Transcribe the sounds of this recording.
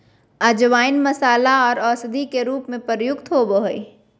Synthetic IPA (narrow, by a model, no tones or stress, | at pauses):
əd͡ʒʋaːɪnmɐsaːlaɔːɾɔːsd̪ʱikeɾuːpmẽpəɾjʊkt̪ɦoːboɦoi